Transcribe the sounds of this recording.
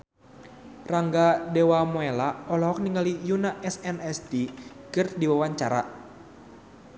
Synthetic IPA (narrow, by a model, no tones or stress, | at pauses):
raŋɡadɛwamoelaɔlɔɦɔk̚niŋɡalijunaʔɛsɛnɛsdikɨrdiwawaɲt͡ʃaɾa̰